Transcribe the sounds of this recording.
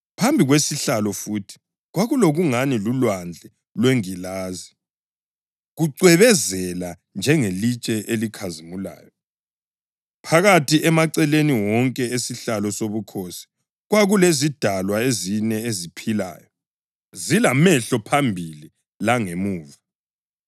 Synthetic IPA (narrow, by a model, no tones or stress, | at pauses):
pʰambʱiɣwesiɬalɔfuːtʰi̥ | ɣwaɣuloɣuŋanilulwand͡ɮʱɛ | lweŋilaːzi | ɣuǀwɛβɛzɛla | nd͡ʒʱɛŋelit͡ʃʼɛʔelikʰazimula̰ːjɔ | pʰaɣatʰiʔɛmaǀɛleniwɔŋkʼɛesiɬalɔsoβukʰosi̥ | ɣwaɣulezid̥ʱalwaezinɛezipʰila̰ːjɔ | zilamɛɬɔpʰambʱili | laŋemuːva